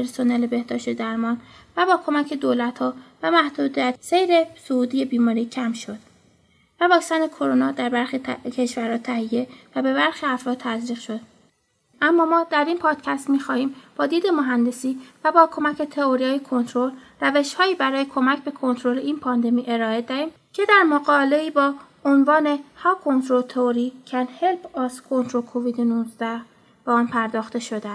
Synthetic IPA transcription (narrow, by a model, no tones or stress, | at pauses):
eɾsonelebe̞hd̪ɒːʃt̪ed̪æɾmɒːnvæbɒːkʰo̞mæcʰe̞d̪oːlæt̪hɒːvæmæhd̪uːd̪iæt̪se̞jɾe̞souːd̪iːje̞biːmɒːɾiːcʰæmʃo̞d̪̥̚ | vævɒːkcsænekʰoɾonɒːd̪æɾbæɾxicʰe̞ʃvæɾhɒːt̪ʰæhijːe̞væbe̞βæɾxiːæfɾɒːt̪̚t̪ːʰæzɾiːɣʃo̞d̪̥̚ | ʔæmːɒːmɒːd̪æɾiːnpʰɒːd̪̥cʰæst̪miːxɒːhiːmb̥ɒːd̪iːd̪e̞moɦænd̪e̞siːvæbɒːkʰo̞mæcʰet̪ʰe̞oɾijɒːjekʰo̞nt̪ɾo̞l | ræve̞ʃhɒːiːbæɾɒːje̞kʰo̞mæcʰbe̞kʰo̞nt̪ɾo̞le̞ʔiːnpʰɒːnd̪e̞miːʔe̞ɾɒːe̞d̪æɾiːm | cʰe̞d̪æɾmoɡɒːbele̞iːbɒː | onvɒːne̞hɒːkʰo̞nt̪ɾo̞lt̪ʰeoɾiːcʰænhelfɒːskʰo̞nt̪ʰɾolkʰoviːd̪enuzd̪æh | b̥eɒːnpʰæɾd̪ɒːxt̪e̞ʃo̞d̪es